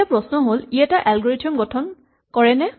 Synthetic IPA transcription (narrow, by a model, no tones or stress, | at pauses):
apɹɔsnɔɦolijataʔɛlɡɔɹitʰiɔmɡɔtʰɔn | kɔɹɛnɛ